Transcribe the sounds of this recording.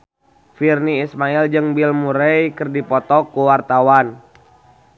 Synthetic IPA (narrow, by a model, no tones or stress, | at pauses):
firniːsmaild͡ʒɨŋbilmuɾejkərdipɔt̪ɔkuwart̪awan